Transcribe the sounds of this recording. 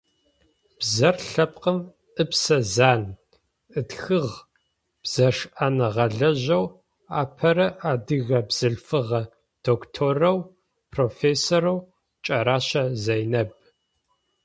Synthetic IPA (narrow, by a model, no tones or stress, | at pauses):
b̥zɐrɬɐp̚ʼqəm | ʔɨpsɐzaːn | ɨtxɨʁ | b̥z̥ɐʂʔanɐʁɐɮɐʑɐw | a̰ːpʰɐɾɐʔaːdɨɣɐbz̥ɨɬfɨʁɐ | d̥oːktʰoːrɐw | pʰroːfeːsoːɾɐw | t͡ʃʼɐɾaːɕɐzɐjnɐb̚